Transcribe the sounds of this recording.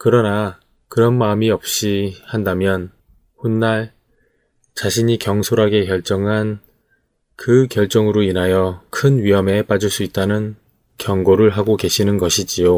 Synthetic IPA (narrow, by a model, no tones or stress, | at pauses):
kɯɾʌna | kɯɾʌnmaɯmiʌp̚ɕ͈ihandamjʌn | honːaɭ | t͡ɕaɕʰiɲikjʌŋsʰoɾɦaɡe̞kjʌɭt͡ɕ͈ʌŋɦan | kɯkjʌɭt͡ɕ͈ʌŋɯɾoinɦajʌkʰɯnɥiɦʌme̞p͈ad͡ʑuɭs͈uit̚t͈anɯn | kjʌŋɡoɾɯɭɦaɡoke̞ɕʰinɯnɡʌɕʰid͡ʑijo